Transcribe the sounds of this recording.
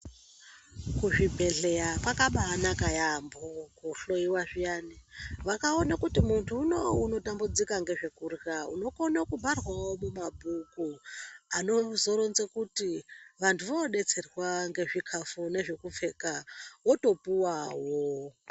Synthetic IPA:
kuʐibʱe̞ɮe̞jakwakaɓaːnakajambokuɬo̞jiwaʐijaniʋakaonakutimuntʰuːnouno̞tambud͡zikaŋɡe̞ʐekurraṵno̞konakubʱarwawomumabʱukuano̞zoɾonzekutiʋantʰuʋoɗe̞t͡se̞rwaŋɡe̞ʐikʰafune̞ʐe̞kufe̞kawoto̞puwawo

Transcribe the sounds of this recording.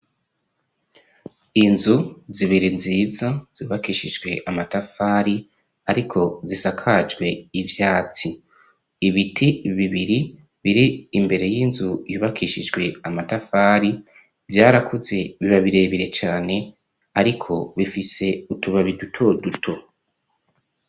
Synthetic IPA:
inzuziβiɾinziːzaz̥uːβakiːʃid͡ʒɡwe̞ʔamatafaːɾi | aɾikʰo̞zisakʰad͡ʒɡwe̞ivjaːt͡siː | βitʰiβiβiɾi | βiɾiːmbe̞ɾe̞jiːnzujuːβakiːʃid͡ʒɡwe̞amatafaːɾi | vjaːɾakʰuze̞βiβaβiɾe̞βiɾe̞t͡ʃaːne̞ | aɾikʰo̞βifise̞utuβaβidutʰo̞dutʰo̞

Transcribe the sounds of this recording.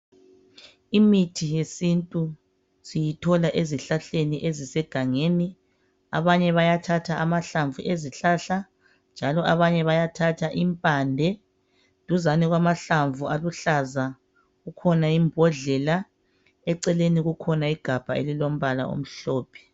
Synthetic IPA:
imitʰijesintʼu | sijitʰɔlaʔeziɬaɬeniʔezisɛɡ̥ʱaŋeːni | a̰βaɲɛβajatʰatʰaʔamaɬaɱvuʔeziɬaɬa | nd͡ʒʱalɔʔaβaɲɛβajatʰatʰaʔimpʼandʱɛ | d̥ʱuzanɛɣwamaɬaɱvʱuʔaluɬaza | ɣukʰɔnaimbʱɔɮɛla | ɛǀɛleniɣukʰɔnaiɡ̥ʱab̥ʱaḛlilom̩βala̰o̰m̩ɬɔːpʰɛ̥

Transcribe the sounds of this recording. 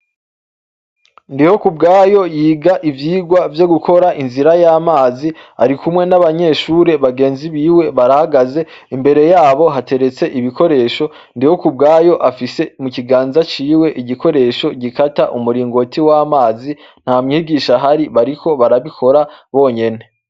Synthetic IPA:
ndiho̞kub̚ɡaːjo̞jiːɡaʔivjiːɡwavjo̞ɡukʰo̞ɾaʔinziɾajamaːzia̰ɾikumŋe̞naβaɲe̞ʃuːɾe̞βaɡeːnziβiːwe̞βaɾahaɡaze̞ | imbe̞ɾe̞jaːβo̞ɦate̞ɾe̞t͡se̞ʔiβikʰo̞ɾe̞ːʃo̞ | ndiho̞kub̚ɡaːjo̞ʔafise̞muciɡaːnzat͡ʃiːwe̞ʔiɟiko̞ɾe̞ʃo̞ɟikataʔumuɾiːŋɡo̞tiwamaːzi | n̥haːmŋiːɡiːʃaɦaɾiβaɾikʰo̞βaɾaβikʰo̞ɾaβo̞ːɲe̞ne̞

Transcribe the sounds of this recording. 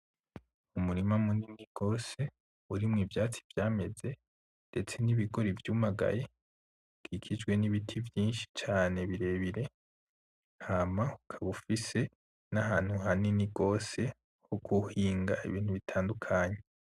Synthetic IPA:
umuɾimamuniniɡ̥o̞ːse̞ | uɾimŋiːvjaːt͡si̥vjaːme̞ze̞ | nde̞t͡se̞niβiɡo̞ɾivjumaɡa̰je | kʰikʰid͡ʒɡwe̞niβitʰivjiːnʃi̥t͡ʃaːne̞βiɾe̞ːβiɾe̞ | hamaukʰaβufise̞ | naɦaːn̥huɦaniniɡo̞ːse̞ | hoɡuhiːŋɡaʔḭβiːn̥huβitʰaːndukʰaːɲe̞

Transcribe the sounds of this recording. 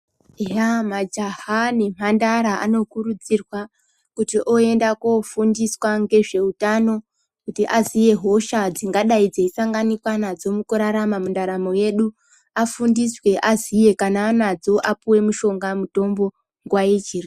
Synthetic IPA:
ejamad͡ʒahanim̥̤andaɾaʔa̰no̞kurud͡zirwa | kutiʔoe̞ndakofundiswaŋɡe̞ʐe̞utano̞ | kutiʔazije̞ɦo̞ʃad͡ziŋɡaɗaid͡zeisaŋɡanikwanad͡zo̞mukuɾaɾamamundaɾamo̞je̞ɗu | afundiswe̞ʔazije̞kanaːnad͡zo̞ʔapuwe̞muʃo̞ŋɡamuto̞mbo̞ | ŋɡwaid͡ʒiri

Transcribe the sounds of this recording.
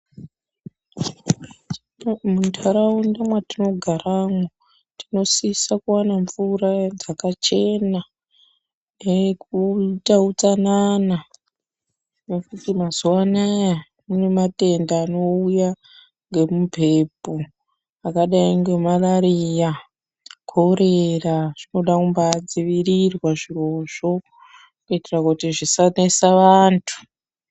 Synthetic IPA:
muntʰaɾaundamwatino̞ɡʱaramo | tino̞sisakuwanaɱvuɾad͡zakat͡ʃe̞na | ekutaut͡sanana | nekutimazuwanaja | mune̞mate̞ndaːno̞uja | ŋɡe̞mupe̞po | akaɗaiŋɡe̞malaɾija | kʰoɾeraʐ̥ino̞ɗakumbad͡ziʋirirwaʐiro̞ʐo̞ | kuitirakutiʐisanesaʋaːntʰu̥

